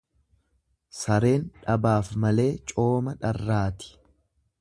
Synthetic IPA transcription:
sɐɾe̞ːnᶑɐbaːfmɐle̞ːt͡ʃʼo̞ːmɐᶑɐrːaːt̪ɪ̥

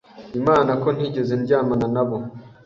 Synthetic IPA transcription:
imaːnakoniɟezenɟaːmananaβo

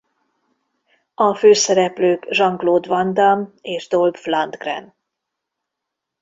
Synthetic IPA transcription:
ɒføːsɛɾɛpløːkʒɒŋɡloːd̪vɒnd̪ameːʒd̪olbflɑnd̪ɡrɛ̰n

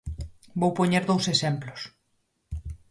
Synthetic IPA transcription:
bowpoɲeɾðowsesemplos

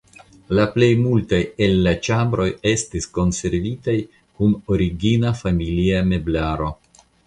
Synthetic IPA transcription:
laple̞jmultaje̞lːat͡ʃambɾo̞je̞stisko̞nse̞ɾvitaj | kuno̞ɾiɡinafamiliame̞blaɾo̞

